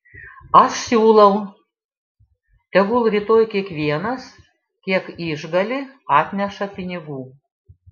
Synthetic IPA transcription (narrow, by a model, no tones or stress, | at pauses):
ɐʃsʲuːlˠɐʊ | t̪ʲɛɡulˠɾʲiːt̪oːjkʲiɛkʋʲiɛnɐs | kʲiɛkiʒɡɐlʲɪɑːt̪ʲnʲɛʃɐpʲɪnʲɪɡuː